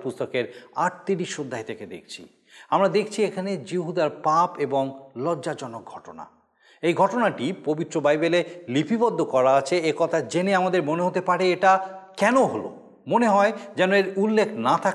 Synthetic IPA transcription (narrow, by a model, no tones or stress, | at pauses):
pust̪okeɾaʈ̚t̪iɾiʃːod̪ʱːaɦet̪ʰeked̪ḛk̚ʰt͡ɕʰḭ | amɾad̪ekʰt͡ɕʰiekʰaned͡ʑiɦud̪aɾpapeboŋlɔdːad͡ʑɔnok̚ɡʱɔʈona̰ | ejɡʱɔʈonaʈipobit̪ːɾobajbelelipʰibɔd̪ʱːokɔɾaat͡ɕʰeekɔt̪ʰad͡ʑeneamad̪eɾmoneɦot̪epaɾeeʈakɛnoɦolo̰ | moneɦɔed͡ʑɛnoeɾulːekʰnat̪ʰa